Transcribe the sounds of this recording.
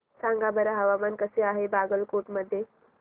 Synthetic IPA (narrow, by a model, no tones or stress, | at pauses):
sãŋɡabəɾəɦəʋamankəseaɦebaɡəlkoʈməd̪ʱːje